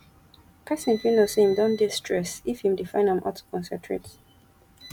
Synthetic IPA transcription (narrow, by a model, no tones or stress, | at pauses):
kʰasĩnfinoseĩmdɔ̃ndistʰɹɛsifhĩmdifãɪ̃nãmʔɔ̰tu̥kʰɔ̃nsɛ̃tʰɹḛt